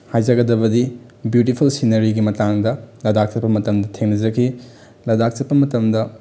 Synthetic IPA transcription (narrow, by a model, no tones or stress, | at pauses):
hajd͡ʒɐɡɐdɐbɐdi | bjutipʰulsinɐɾiɡimɐtaŋdɐlɐdak̚t͡ʃɐt̚pɐmɐtɐmdɐtʰeŋnɐd͡ʒɐkʰi | lɐjdak̚t͡ʃɐt̚pːɐmɐtɐmdɐ